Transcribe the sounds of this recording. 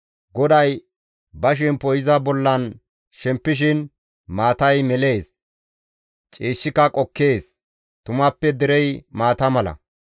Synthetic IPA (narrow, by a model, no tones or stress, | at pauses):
ɡɔd̪ɐj | bɐʃ̬ɛnpɔjɪzɐbɔlːɐn | ʃɛmpːɪʃ̬ɪn | maːt̪ɐjmɛle̞ːs | t͡ʃʼiːʃːɪkːɐkʼɔkːe̞ːs | t̪ʊmɐpːɛd̪ɛɾɛjmaːt̪ɐmɐlɐ̰